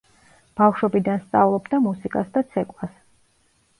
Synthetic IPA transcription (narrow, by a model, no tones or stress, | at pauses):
b̥afʃwɔbid̪anst̪sʼavlˠɔbd̪amusikʼasd̪at̪sʰɛkʼwas